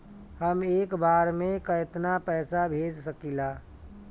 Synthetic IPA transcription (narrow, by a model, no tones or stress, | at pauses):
həmeːkbaːɾmẽkəɪt̪napɛːsabʱeːd͡ʒsəkilaː